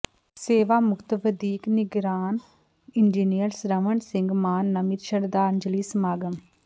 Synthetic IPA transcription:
seːʋaːmʊkt̪ʋəd̪iːknɪɡɾaːn | ɪnd͡ʒiːnijəɾsɾəʋəɳsɪŋɡmaːnːɐmiɾʃəɾd̪aːɾnd͡ʒəliːsmaːɡəm

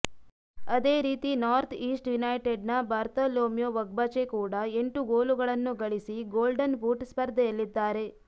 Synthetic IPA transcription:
ɐd̪e̞ːɾiːt̪inaːɾt̪ʰiːsʈjunɐjʈeɖnɐbaːɾt̪ɐloːmjoʋɐɡ̚bɐt͡ʃekuːɽɐe̞ɳʈuɡoːluɡɐɭɐnːuɡɐɭisiɡoːlɖɐnbuːʈspɐɾd̪ʱɐjɐlːid̪ːaːɾe̞

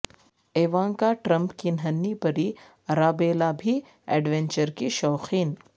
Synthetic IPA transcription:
eːʋãːŋkaʈɾɐ̃mpkinɦɐnːipɐɾi | ɾaːbeːlabʱi | ɛːɖʋɛ̃ɲt͡ʃəɾkiʃɔːxiːn

